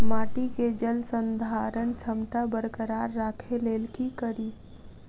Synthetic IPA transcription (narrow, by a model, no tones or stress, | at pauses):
maːʈiked͡ʒəlsənd̪ʱaɾəɳt͡ʃʰəmt̪abəɾkəɾaːɾːakʰeleːlkikəɾiː